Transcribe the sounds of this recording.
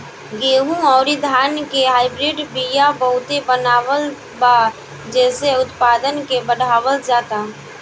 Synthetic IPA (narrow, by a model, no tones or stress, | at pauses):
ɡeːɦũɔːɾid̪ʱaːnkeɦaːɪbɾɪɖbijabəɦʊt̪ebənaːʋəl | ba | d͡ʒɛːseʊt̪paːd̪ənkebəɽʱaːʋəld͡ʒaːt̪aː